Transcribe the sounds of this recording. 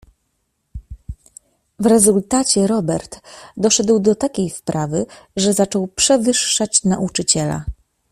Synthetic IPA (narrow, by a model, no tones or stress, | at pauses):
vɾɛzult̪at͡ɕɛɾɔbɛɾt̪d̪ɔʂɛd̪wd̪ɔt̪akʲejspɾavɘʐɛzat͡ʂɔwpʂɛvɘʂːat͡ɕnaʔut͡ʂɘt͡ɕɛla̰